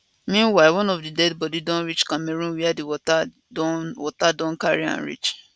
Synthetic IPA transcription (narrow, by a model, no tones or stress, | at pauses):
mĩnwaɪwɔ̃nɔfdidɛdbɔdidɔ̃nɹit͡ʃkãmeɾũnwiadiwɔta | wɔtadɔ̃nkaɹiã̰nɹḭt͡ʃ